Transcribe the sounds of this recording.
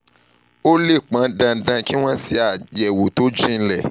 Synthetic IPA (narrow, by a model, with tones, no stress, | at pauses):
o˦le˦˨k͡pã˨˦dã˧dã˧ki˦w̃ɔ̃˦si˧a˨jɛ˨wo˨to˨˦d͡ʒĩ˦˧n̩˧lɛ˦˨